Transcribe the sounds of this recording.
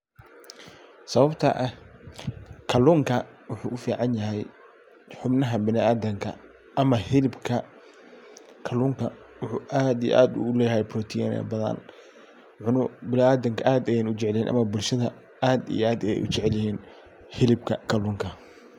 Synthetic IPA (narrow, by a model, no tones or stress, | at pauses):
sɐβɐbt̪ʰɐʔɐ | kʰɐluːŋkʰɐ | wʊħuːʔʊfiːʕɑnjɐɦɛj | ħʊbnɐɦɐbɪnɪaːd̪ɐŋkʰɐ̰ | ʔɐmɐhɪlɪbkʰɐ | kʰɐluːŋkʰɐ | wʊħuːʔaːd̪ij̰ʔaːd̪ʊ̰ʊlɛːjɐhɛjprɔːt̪ʰḭnɛ̰bɐðɐ̰n | ʕʊnʊbɪnɪaːd̪ɐŋkʰɐʔaːd̪ɐjanʊt͡ʃɛʕliːnʔɐ̰mɐbʊlʃɐðɐ | aːd̪ḭjʔaːd̪ɐjɛ̰jʔʊt͡ʃɛʕɛljɪhiːn | hɪlɪbkʰɐkʰɐluːŋkʰɐ